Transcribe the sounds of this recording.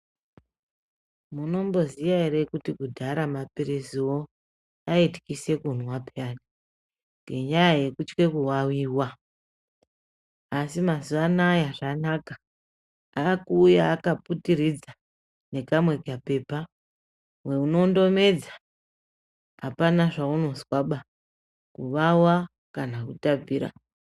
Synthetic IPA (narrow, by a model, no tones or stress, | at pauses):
muno̞mbo̞zijaeɾekutikudʱaɾamapeɾesiwo | aeti̥kise̞kun̤wapaːni | ŋɡe̞ɲajaje̞kut͡ʃke̞kuwawiːwa | asimazuʋanajaʐanaka | akuːjaːkaputiɾid͡za | ne̞kamwe̞kape̞ːpa | we̞uno̞ndo̞me̞d͡za | ɦapanaʐauno̞zwaɓa | kuʋawa | kanakutab͡viːɾa̰